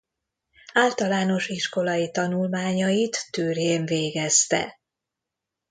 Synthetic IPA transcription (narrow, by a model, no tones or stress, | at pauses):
aːlt̪ɒlaːno̞ʃiʃko̞lɒjit̪ɒnulmaːɲɒjit̪ːøːrjeːɱveːɡɛst̪ɛ̰